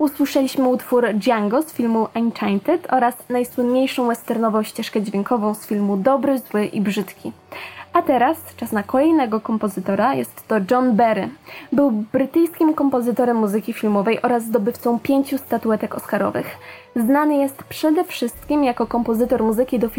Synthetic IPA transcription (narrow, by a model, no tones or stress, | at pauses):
uswɘʂɛlʲiɕmɘut̪fuɾd͡ʑaŋɡɔsfʲilmuʔant͡ʂant̪ɛt̪ʰɔɾasnajswɘnɲejʂɔ̃w̃wɛst̪ɛɾnɔvɔ̃w̃ɕt͡ɕɛʂkɛd͡ʑvʲjeŋkɔvɔ̃w̃sfʲilmud̪ɔbɾɘzwɘʔibʐɘt̪kʲi | at̪ɛɾast͡ʂasnakɔlɛjnɛɡɔkɔmpɔzɘt̪ɔɾajɛst̪ːɔd͡ʐɔnbɛɾɘbɘwbɾɘt̪ɘjskʲimkɔmpɔzɘt̪ɔɾɛmːuzɘkʲifʲilmɔvɛjʔɔɾazːd̪ɔbɘft̪sɔ̃w̃pʲjeɲt͡ɕust̪at̪uɛt̪ɛkɔ̰skaɾɔ̰vɘ̰xznanɘjɛst̪pʂɛd̪ɛfʂɘst̪̚kʲimjakɔkɔmpɔzɘt̪ɔɾmuzɘkʲid̪ɔfʲ